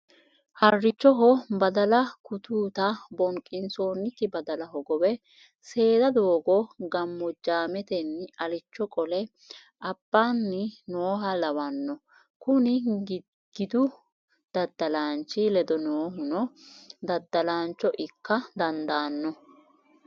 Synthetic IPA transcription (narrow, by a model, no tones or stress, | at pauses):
hɐrːɪt͡ʃːɔɦɔbɐd̪ɐlɐkʊt̪uːt̪ɐbɔŋkʼːɪnso̞ːnːɪkːɪbɐd̪ɐlɐɦɔɡɔbɛ | se̞ːd̪ɐd̪o̞ːɡɔɡɐmːɔd͡ʒaːmɛt̪ɛnːɐlɪt͡ʃːɔkʼɔlɛ | ʔɐb̥ːaːnːɪnoːɦɐlɐwɐnːɔ | kʊnɪɡ | ɡ̥ɪd̪ʊ | d̪̥ɐd̪ːɐlaːnt͡ʃːɪlɛd̪ɔnoːɦʊnɔd̪ɐd̪ːɐlaːnt͡ʃːɔʔɪkːɐd̪ɐnd̪aːnːɔ